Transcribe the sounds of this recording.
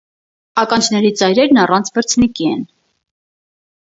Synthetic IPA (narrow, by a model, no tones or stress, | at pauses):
ɑkɑnt͡ʃʰnɛɾit͡sɑjɾɛɾnɑrɑnt͡sʰvəɾt͡sʰnikiɛ̰n